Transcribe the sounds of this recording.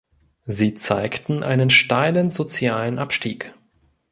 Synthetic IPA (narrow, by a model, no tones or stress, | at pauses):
ziːt͡sa̰ɪktn̩ʔa̰ɪnənʃtaɪlənzot͡sjaːlənʔapʃtiːk